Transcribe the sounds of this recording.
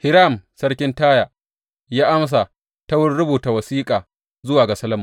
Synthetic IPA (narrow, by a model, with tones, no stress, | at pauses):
hɪ˦ɾa˦˨msɐ˦ɽkʲɪ˦ntaː˦jaː˨ | jaː˦ʔa˦ms̬a˨ | tɐ˦wʊ˦rɽʊ˦buː˨ta˨wɐ˨siː˦kʼaː˨ | zʊ˦waː˨ɡa˨sɐ˦lɐ˦˨mʊ˨